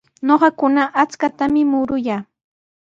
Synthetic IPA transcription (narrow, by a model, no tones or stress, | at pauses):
ɲoɢɑkʊnaʔat͡skat̪amɪmʊɾʊjaː